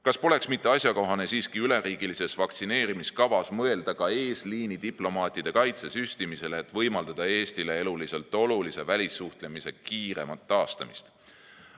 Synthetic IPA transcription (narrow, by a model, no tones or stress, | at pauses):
kɑspo̞le̞ksmit̪ːe̞ɑsʲjɑko̞ɦɑne̞siːskiyle̞ɾiːɡ̥ilise̞svɑkt̪sine̞ːɾimiskɑvɑsmɤe̞ld̪̥ɑkɑe̞ːsliːnid̪̥iplo̞mɑːt̪ʲˑid̪̥e̞kɑjt̪se̞syst̪imise̞leːt̪vɤjmɑld̪̥ɑd̪̥ɑe̞ːst̪ile̞e̞lulise̞lt̪ːˑo̞lulise̞vælʲisːuht̪le̞mise̞kiːɾe̞mɑt̪ːɑːst̪ɑmist̪